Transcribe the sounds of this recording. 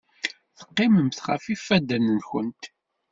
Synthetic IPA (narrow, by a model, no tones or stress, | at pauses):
θə̥qːɪməmθχæ̰fifːæd̪ænənçənt̪